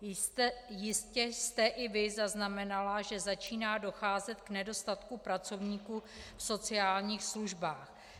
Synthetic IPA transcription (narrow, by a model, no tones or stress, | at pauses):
jɪscɛst̪ɛʔɪvɪzaznamɛnalaʒɛzat͡ʃiːnaːdo̞xaːzɛt̪knɛdo̞st̪at̪kupɾat͡so̞vɲiːku | fso̞t͡sɪaːlɲiːxsluʒbaːx